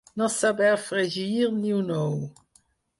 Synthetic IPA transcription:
nɐ̃sabɛɾfɾeʒiɾnĩunow

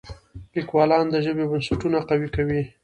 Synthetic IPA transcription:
likwɑlɑnd̪əʒəbebənsaʈunaqawikawi

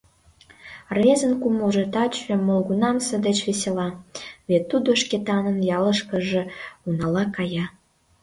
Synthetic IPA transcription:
rezənkumoʒet̪ɑt͡ɕemolɣunɑmsə̆d̪et͡ɕβeselɑβet̪ːud̪oʃket̪ɑnə̆njɑləʃkə̆ʒĕunɑlɑkɑjɑ

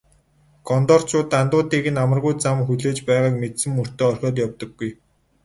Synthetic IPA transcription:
ɡ̥ɔnt̪ɔːr̥t͡ɕʰʊːt̪ant̪ʊːt̪iːɣɘ̆namə̆rɣujt͡samxuɮeːt͡ɕpæːʁaːkmet̪sɘ̆mːur̥t̪eːɔrʲxʲɔːt̪̬jawt̪ɞ̆ɡːuj

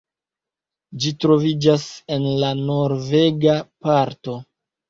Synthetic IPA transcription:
d͡ʒitɾo̞vid͡ʒase̞nlano̞ɾve̞ɡapaɾto̞

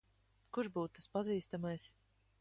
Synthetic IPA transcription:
kuɾʒbuːt̪t̪aspaziːst̪amajs

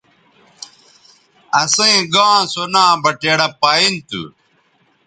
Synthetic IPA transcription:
ɐsɐĩɡãːsonãːbɐʈeːɽɐpaːint̪ṵ

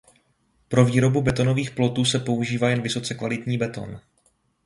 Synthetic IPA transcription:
pɾo̞viːɾo̞bubɛt̪o̞no̞viːxplo̞t̪uːsɛpo̞uʒiːvaːjɛnvɪso̞t͡sɛkvalɪt̪ɲiːbɛt̪o̞̰n

